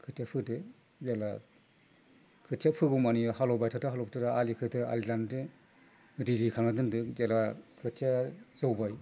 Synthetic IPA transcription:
kʰɯtʰjapʰɯdɯ | jala | kʰɯtʰijapʰɯɡumanihalɔbajtʰataɦalɔp̚tʰataalikʰɯtɯa̰lilandɯ | diɾikʰanadɯndɯzalakʰɯtʰijazɯwbaj

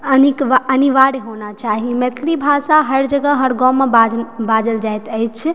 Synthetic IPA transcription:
ənikʋəniʋaɽiɦonat͡ʃaɦimet̪ʰlibʱasaɦəɾd͡ʒəɡəɦəɾɡɔmːebabad͡ʒəld͡ʒajt̪əjt͡ʃʰ

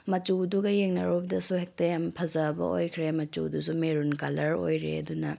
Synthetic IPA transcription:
mɐt͡ʃuduɡɐjeŋnɐɾowbɐdɐsuhek̚tɐjampʰɐzɐbɐ̰o̰jkʰɾemɐt͡ʃṵdusumeɾunkalɐɾo̰jɾeɐ̰dunɐ

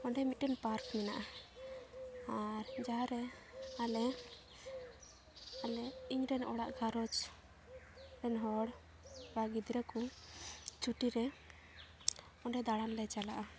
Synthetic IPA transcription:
ɔɳɖɛmit̪inpaɾkmɛnaʔa | aɾd͡ʒaaɾɛalɛ | alɛiɲɾɛnɔɽaʔɡʱaɾɔt͡ʃ | ɾɛnɦɔɽ | baɡid̪ɾɛku | t͡ʃuʈiɾɛ | ɔɳɖɛd̪aɽanlɛt͡ʃalaʔa

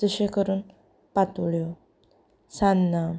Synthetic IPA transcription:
əɕekəɾuːn | pat̪uɭjo | sanːa

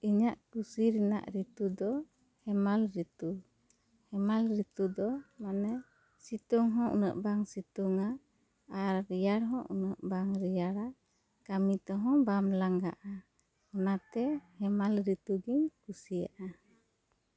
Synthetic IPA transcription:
iɲaʔkusiɾina̰ʔɾit̪ud̪ɔ | hɛmalɾit̪u | hɛmalɾit̪ud̪ɔmanɛ | sit̪uŋɦɔ̃ʔṵnə̰ʔbaŋsit̪uŋa | aɾːijaɽɦɔ̃ʔunəʔbaŋɾijaɾa | kamit̪ɔɦɔ̃bamlaŋɡa̰ʔa | ɔnat̪ɛhɛmalɾit̪uɡiɲkusija̰ʔa

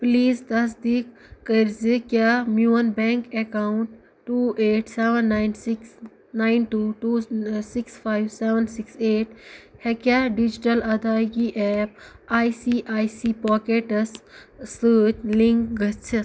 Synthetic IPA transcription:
pliːzd̪ɐs̬d̪iːk | kəɾzikʲjamjuːɐnbẽːŋkekawʊɳʈː | uːʔeːʈseːʋənːaːɪnsiks | naɪnʈuːʈuːsikspʰaːjwseːʋənsikseːʈhɛkaːɖid͡ʒiʈɐlɐd̪aːjkiʔɛːp̚aːjsiːʔaːjsiːpɔːkeʈɐsː | əːt͡ʃlĩŋkɡɐt͡ʃʰi

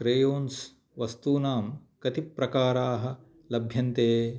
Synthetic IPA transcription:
kɾejoːns | ʋɐst̪uːnaːmkɐt̪ipːɾɐkaːɾaːɦɐ̆ | lɐbʱjɐnt̪eː

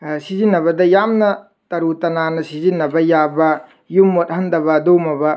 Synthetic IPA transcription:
sizinːɐβɐdɐjamnɐ | tɐɾutɐnanɐsizinːɐbɐjabɐ | jumːot̚hɐndɐβɐdowmɐbɐ

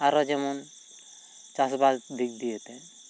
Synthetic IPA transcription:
aɾɔd͡ʒɛmɔn | t͡ʃasbasd̪ʱik̚d̪ijet̪ɛ

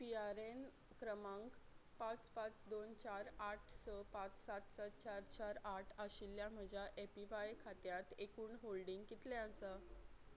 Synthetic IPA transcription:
piaɾen | kɾəmãŋkpãt͡spãt͡sd̪ont͡ɕaɾaʈʰsəpãt͡ssat̪sat̪t͡ɕaɾt͡ɕaɾaʈʰəɕilːjãm̤əd͡ʑʱjaʔepiʋajkʰat̪jat̪ekuːnɦolɖiŋɡkit̪lɛ̃əsa

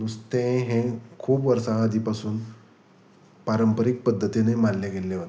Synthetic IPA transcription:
nust̪ẽɦẽkʰuːpʋəɾsãəd̪ʱiːpasuːn | paɾəmpəɾik̚pəd̪ʱːət̪inemanleɡelːeʋə

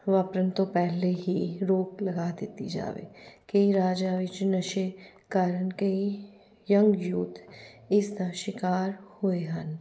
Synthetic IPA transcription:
ʋaːpɾənt̪opɛɦleɦiɾoːklɐɡad̪ɪt̪id͡ʒa̰ːʋḛkeiɾaːd͡ʒaʋɪt͡ʃnɐʃe | kaːɾənkei | jɐ̃ŋɡjuːt̪ɪsd̪aʃɪkaːɾhoeɦɐn

